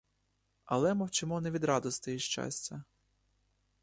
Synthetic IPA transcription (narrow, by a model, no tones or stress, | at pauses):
ɐ̰lˠɛmɔwt͡ʃɪmɔnɛʋʲid̪ɾɑd̪ɔst̪jiʃt͡ʃa̰sʲt͡sʲɐ